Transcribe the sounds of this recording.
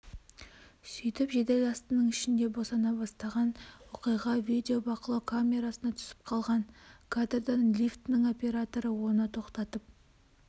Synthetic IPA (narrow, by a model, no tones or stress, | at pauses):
sʏjt̪ɪpʒed̪elʲɑst̪ənəɴɪʃɪnd̪e̞bo̞sɑnɑbɑst̪ɑʁɑnwoqijʁɑvid̪ʲeo̞bɑqəlˠɑkʰamʲe̞ɾasənɑt̪ʰʏ̥sɪ̥p̚qʰɑlˠʁɑnkʰad̪rd̪ɑnlʲift̪nəŋo̞pʲe̞ɾat̪o̞ɾəwo̞nət̪ʰo̞qt̪ɑt̪əp̚